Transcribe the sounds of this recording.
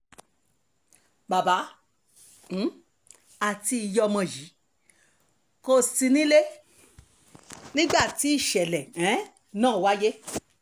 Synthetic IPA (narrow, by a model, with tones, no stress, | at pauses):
ba˨ba˨˦˨ | a˦˨ti˧i˨jɔ˧mɔ̃˧˨ji˨˦ | ko˧˨si˧nĩ˦le˦ | nĩ˦ɡ͡ba˦˨ti˨˦i˦˨ʃɛ˨lɛ˨ɛ̃˨˦ | nãː˦˨wa˦je˦